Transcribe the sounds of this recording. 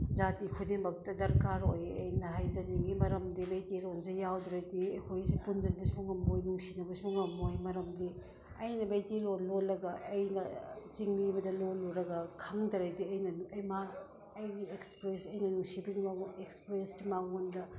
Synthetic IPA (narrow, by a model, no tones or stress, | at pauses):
zatikʰudiŋbɐk̚tɐdɐɾkaɾojɐ̰jnɐɦajzɐniŋɡimɐɾɐmdibejtilonsijawdɾɐjdiekʰojsipunzɐlbɐsuŋɐmojnuŋsinɐbɐsoŋɐmojmɐɾɐmdi | ɐjnɐbejtilonlolːɐɡɐʔːjnɐt͡ʃiŋbibɐdɐloluɾɐɡɐkʰaŋdɐɾajdiɐjnɐɐjma | ɐjɡiekspɾesɐjnɐnuŋsibiɡimaŋekspɾeskimaŋondɐ